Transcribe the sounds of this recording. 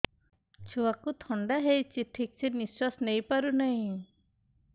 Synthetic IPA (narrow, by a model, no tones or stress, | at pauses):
t͡ʃʰuakut̪ʰɔɳɖaɦejt͡ʃiʈ̪ʰːik̚t͡ʃʰeniswasnejpaɾunaɦĩ